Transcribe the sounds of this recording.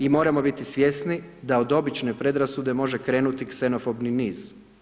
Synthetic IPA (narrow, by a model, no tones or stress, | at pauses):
imo̞ːɾamo̞bit̪isʋʲje̞snid̪aod̪o̞bit͡ʃne̞pɾe̞d̪ɾasud̪e̞mo̞ʒe̞kɾe̞ːnut̪ikseno̞fo̞bniniːz̥